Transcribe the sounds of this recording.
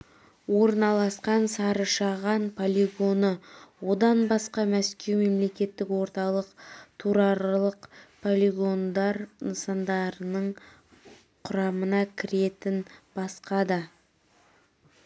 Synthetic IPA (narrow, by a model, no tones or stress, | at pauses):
wo̞ɾənɑlˠɑsqɑnsɑɾəʃɑʁɑnpʰolʲiɡo̞nəwo̞d̪ɑnbɑsqɑmæskʲe̞wme̞mle̞kʲe̞t̪ːɪkwo̞ɾt̪ɑlˠəqt̪ʰuɾɑɾlˠəqpʰolʲiɡo̞nd̪ɑɾnəsɑnd̪ɑɾənəɴ | qʰʊɾɑmənɑkʲʰɪɾe̞t̪ɪnbɑsqɑd̪ɑ